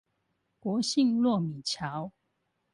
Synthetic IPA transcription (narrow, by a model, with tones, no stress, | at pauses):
kwɔ˨˦ɕi˥˨ŋlwɔ˥˨mi˨˩t͡ɕʰjɑ˨˦ʊ